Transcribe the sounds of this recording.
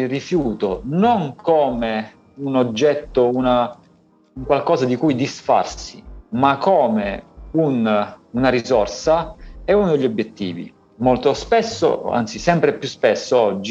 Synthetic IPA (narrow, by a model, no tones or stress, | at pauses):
rifjuːt̪onoŋkoːme | unod͡ʒːɛt̪ːouna | uŋkwalkɔːzad̪ikujd̪isfa̰rsimakːoːmeununaɾizorsaɛunod̪eʎːobjet̪ːḭːvḭ | molt̪ospesːo̰a̰nt̪sisɛmpɾepjuspesːoɔd͡ʒːi